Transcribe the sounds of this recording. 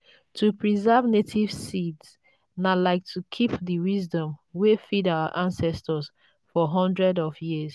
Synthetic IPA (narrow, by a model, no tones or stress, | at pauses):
tʰupɹizɛvnetʰiv̥sids | nalaɪk̚tʰukʰipðiwizdɔ̃mwefidawə̰ʔãnsɛstəz | fɔɦɔ̃ndɹɛdɔvjiz